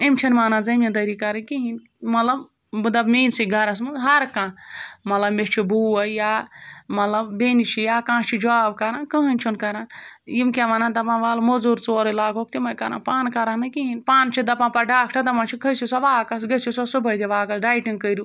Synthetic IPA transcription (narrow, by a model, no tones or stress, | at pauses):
imt͡ʃʰinmaːnad͡zɐmjãd̪ɐɾikɐɾɐkiɦin | mɐt̪lɐb | ɨd̪ɐbmeːnsiɡɐɾɐs̬mɨɦɐɾkãmɐt̪lɐbmet͡ʃʰibuːɐjamɐt̪lɐbbenit͡ʃʰijakãːt͡ʃʰid͡ʒaːb̚kɐɾankəɦənʲt͡ʃʰunkɐɾanjimkʲeʋanad̪ɐpãʋaːlmozuɾt͡soːɾelaːɡok̚t̪imɐjkɐɾa̰npaːnkɐɾanɐkiɦinpaːnt͡ʃʰid̪ɐpãpɐɾɖaːkʰʈʰɐd̪ɐpãt͡ʃʰikʰɐsisaʋaːkɐsɡɐsisɐsɨbɐd̪iʋaːkɐsɖaːjʈiŋkəjɾu